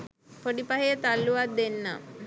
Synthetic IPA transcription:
poɖipaɦejət̪alːuʋat̪̚d̪enːə̰

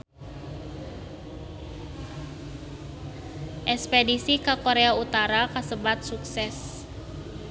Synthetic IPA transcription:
ʔɛspedisikakoɾeaut̪aɾakasəbat̪̚suksɛs

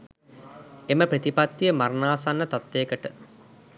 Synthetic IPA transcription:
eməpɾət̪ipat̪ːijəmaɾnaːsanːət̪at̪ːeːkəʈə

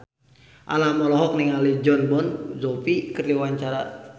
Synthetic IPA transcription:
ʔa̰lamɔlɔɦɔk̚niŋalid͡ʒɔnbɔnzɔpikərdiwaɲt͡ʃaɾa

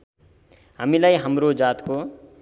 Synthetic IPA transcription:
ɦəmilajɦəmɾod͡ʒaːt̪ko

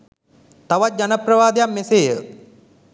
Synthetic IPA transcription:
t̪aʋat̪̚d͡ʑanəprɐʋaːd̪ejamːeseːjə

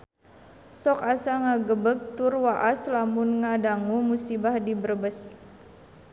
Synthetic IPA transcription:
sɔkasaŋaɡəbək̚t̪urwaʔaslamunŋadaŋumusibahdibərbəs

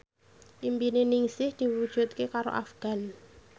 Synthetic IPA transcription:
ʔimbinenɪŋsɪhd̪̥i̤wud̥ʒ̥ṳt̪̚kekaɾo̰ʔa̰fɡ̥a̤n

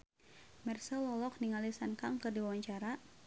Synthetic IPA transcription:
mɛrsəlɔlɔk̚niŋalisankaŋkərdiwawaɲt͡ʃaɾa

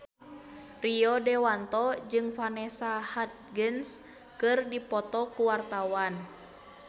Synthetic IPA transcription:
riɔdɛwant̪ɔd͡ʒɨŋfanɛsahat̪̚ɡəns | kɨrdipɔt̪ɔkuwart̪awan

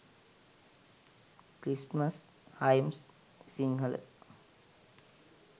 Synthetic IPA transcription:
kɾisməs | hajmsː | iŋɡəl̰

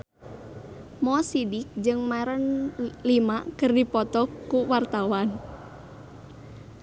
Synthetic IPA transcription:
mɔsidɪk̚d͡ʒɨŋmaɛɾənlimakərdipɔt̪ɔkːuwart̪awan

